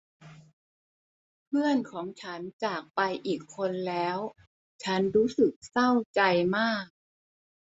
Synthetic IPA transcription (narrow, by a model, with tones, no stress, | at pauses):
pʰɯ˥˩ənkʰɔː˩˦ŋt͡ɕʰa˦˥nt͡ɕaː˨˩k̚pa˧jʔiː˨˩kʰːo˧nlɛː˦˥w | t͡ɕʰa˦˥nɾuː˦˥sɯ˨˩k̚sa˥˩wt͡ɕa˧jmaː˥˩k̚